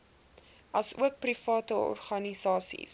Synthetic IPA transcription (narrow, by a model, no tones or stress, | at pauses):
ɐsuək̚prifɑːtəɔ̰rχɐnisɑːsḭs